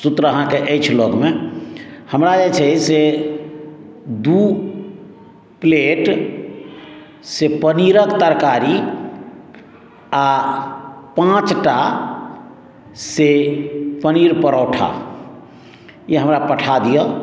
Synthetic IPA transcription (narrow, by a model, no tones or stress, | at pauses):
sut̪ɾəəɦãkeʔəjt͡ʃʰloɡme | həmɾad͡ʒet͡ʃʰɛse | d̪u | pleʈ | sepəniɾəkt̪əɾkaɾi | a | pãt͡ʃʈa | sepəniɾpəɾɔwʈʰa̰ | jeɦəmɾapəʈʰad̪ijə